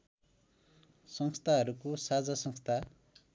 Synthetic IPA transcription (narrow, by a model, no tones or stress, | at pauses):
sʌŋst̪ʰaɦʌɾukosad͡zasʌŋst̪ʰa